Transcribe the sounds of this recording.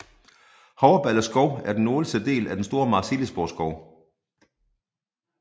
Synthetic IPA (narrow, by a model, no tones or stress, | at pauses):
hɒʊɐb̥ælɐsɡ̥ɒʊ̰æɐd̥enːo̝ːləsd̥əd̥e̝̰ːlæd̥ensd̥o̝ːɐmɑ̈ːseləsb̥osɡ̥ɒʊ